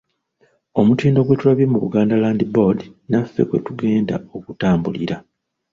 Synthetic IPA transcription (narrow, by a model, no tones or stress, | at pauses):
o̞mutiːndo̞ɡwe̞tulaβimuβṵɡaːndalaːndibo̞dinafːe̞̰kwe̞̰tuɡe̞ːnda̰o̞kutaːmbulḭɾa